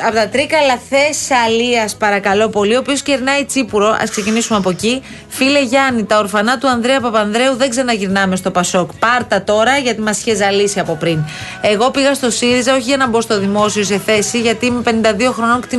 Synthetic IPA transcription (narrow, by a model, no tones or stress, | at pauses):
ɐpot̪ɐt̪ɾikɐlɐθe̞sɐliɐspɐɾɐkɐlo̞po̞lio̞pio̞sceɾnɐit͡sipuɾo̞ʔɐ̰skse̞cinisumeɐpo̞ci | file̞ʝɐnit̪ɐoɾfɐnɐt̪uɐnðɾeɐpɐpɐnðɾe̞uðeɡzeɾnɐʝiɾnɐme̞st̪o̞pɐso̞kpɐɾt̪ɐt̪o̞ɾɐʝɐt̪imɐsi̥çezɐlisiɐpo̞pɾine̞ɣo̞piɣɐst̪o̞siɾizɐo̞çiʝɐnɐbo̞st̪o̞ðimo̞siose̞θe̞siʝɐt̪iːmepe̞nind̪ɐðio̞xɾo̞noŋkt̪i